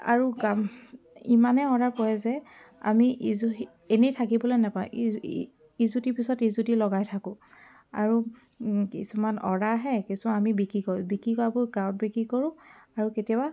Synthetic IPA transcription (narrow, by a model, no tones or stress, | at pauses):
a̰ɹuɡam | imanɛɔɹaɹkɔjɛzɛ | a̰miʔiz | enejtʰakibɔlojnapaṵ̃ | izutipisɔtizutilɔɡajtʰakʊ̃ | a̰ɹu | kisumanɔ̰ɹaɦɛkisumanamibikɹikɔɹbikɹikɔabʊɹɡãwɔt̚bikɹikɔɹʊ̃aɹuketiba